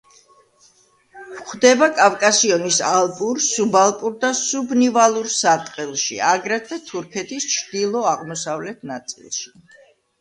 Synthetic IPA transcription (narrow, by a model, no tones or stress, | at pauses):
vχd̪ɛbakʼavkʼasiɔnisalˠpʼuɾsubalˠpʼuɾd̪asubnivalˠuɾsat̪ʼqʼɛlˠʃḭaɡɾɛt̪ʰvɛt̪ʰuɾkʰɛt̪ʰist͡ʃʰd̪̥ilˠɔaʁmɔsavlɛt̪ʰnat̪sʼḭlˠʃi̥